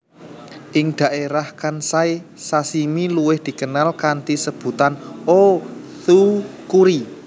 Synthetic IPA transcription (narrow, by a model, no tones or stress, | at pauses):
ʔɪŋd̪̥a̤ʔeɾahkansajsasimiluwɪhd̪̥i̤kənalkant̪isəb̥ṳt̪ano | θukuɾi